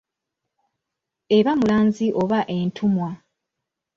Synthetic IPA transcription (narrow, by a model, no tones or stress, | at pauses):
eβamulaːnziʔo̞βaʔe̞ːntʰumwa